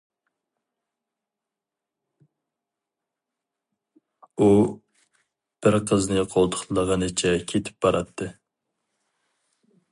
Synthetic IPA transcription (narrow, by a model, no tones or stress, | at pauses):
u | b̥ɪɾqʰəznɨqʰolˠt̪ʰʊ̥χlˠəʁənɨt͡ʃʰɛkʲʰet̪ʰɪ̥p̚bɑɾɑt̪ʰːɨ